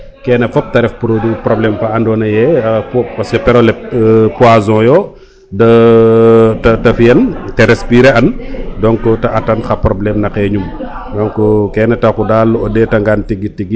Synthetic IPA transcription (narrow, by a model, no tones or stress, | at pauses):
kɛːnɐfɔp̚tɐɾɛfpuɾodupɾɔblɛmfɐɐndɔːnɐjɛpɔpɐskɛpɛɾɔlɛpuazɔ̃jɔ | dɐ | tɐtɐfijɐntɛɾɛspiɾɛɐndɔŋkɔtɐʔɐtɐnxɐpɾɔblɛmnɐkɛɲum | dɔŋkɔkɛːnɛtɐkudalːuɔdɛtɐŋɡantiɡitiɡi